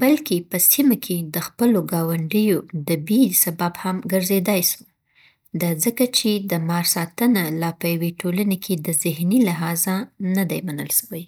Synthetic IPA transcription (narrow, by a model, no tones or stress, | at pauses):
balkepəsimakʰed̪əxpəloɡɑwaɳɖəjod̪əbisabɑbhamɡəɾzed̪ajʃu | d̪azəkat͡ʃed̪əmɑɾsɑt̪ənalɑpəjaweʈʰolanekʰed̪əzɪhnilaɦɑzanad̪ajmanə̰lʃawaj